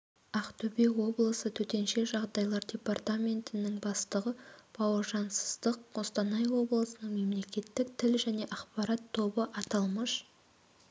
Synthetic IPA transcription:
ɑqt̪ʰɵbewo̞blˠəsət̪ʰɵt̪e̞nʃe̞ʒɑʁd̪ɑjlˠɑɾdʲe̞part̪amʲe̞nt̪ɪnɪŋbɑst̪əʁəb̥ɑwəɾʒɑnsə̥zd̪əq̚o̞st̪ɑnɑjwo̞blˠəsənəɴme̞mle̞kʲe̞t̪ːɪk̚t̪ʰɪlʒæne̞ʔɑχpɑɾɑt̪ʰːo̞bəʔɑt̪ɑlˠməʃ

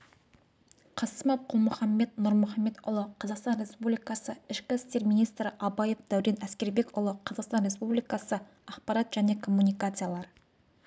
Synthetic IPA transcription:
qʰɑsəmɑp̚qʰʊlˠmʊχɑmːe̞t̪nʊɾmʊχɑmːe̞t̪ʊlˠəqʰɑzɑqst̪ɑnre̞spublijkɑsəɪʃkʲɪɪst̪e̞ɾminijst̪ɾɪʔɑbɑjefd̪æwɾe̞næskʲe̞ɾbe̞kʲʊlˠəqʰɑzɑqst̪ɑnɾe̞spublijkɑsə | ɑqpɑɾɑt̪ʒ̥æne̞kʰo̞mːunʲijkat̪sɨjalˠɑɾ

